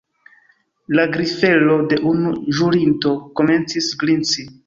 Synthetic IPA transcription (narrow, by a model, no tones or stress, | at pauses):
laɡɾife̞lo̞de̞ʔunuʒuɾinto̞ko̞me̞nt͡sisɡlint͡si